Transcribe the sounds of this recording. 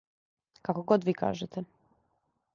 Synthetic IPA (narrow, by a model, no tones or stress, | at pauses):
kakoɡod̪ʋiːkʰa̰ːʒet̪ɛ